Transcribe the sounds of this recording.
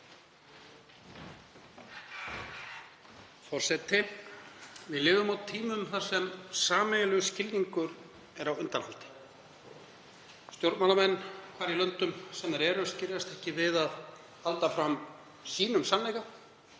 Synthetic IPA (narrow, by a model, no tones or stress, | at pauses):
fɔr̥sɛt̪ɪ | vɪðlɪːvʏmawt̪ʰːiːmʏmθḁsɛmsaːmɛlʏscɪliŋkʏɾ | ɛɾawʏnt̪anhalt̪ɪ̥ | st̪jowɾd̪maːlamɛnːkʰvaːɾilœnt̪ʏmsɛnːaɾɛɾʏscɪɾjast̪ɛhcɪvɪðað | alt̪afɾam | siːnʏmsanlɛjɣa